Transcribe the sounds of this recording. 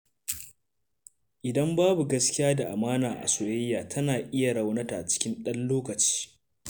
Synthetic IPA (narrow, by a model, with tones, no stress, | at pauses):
ʔɪ˨dɐ˦mbaː˦bu˨ɡɐ˦skʲɪ˦jaː˦da˨ʔa˨maː˦naː˨ʔa̰˨so˨je˦jːaː˨tʰɐ˦naː˨ʔɪ˦ja˨ɽɐ˦wnɐ˦ta˨t͡ʃɪ̥˦kʲɪ˦nɗɐ˦nloː˦kɐ˨t͡ʃi̥ː˦